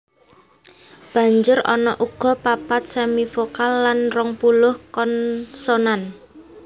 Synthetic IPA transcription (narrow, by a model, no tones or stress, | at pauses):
b̥ä̤ɲd͡ʒʊɾɔ̰nɔʔuɡ̥ɔ̤papat̪̚semifokalːanrɔŋpulʊhkɔnsonan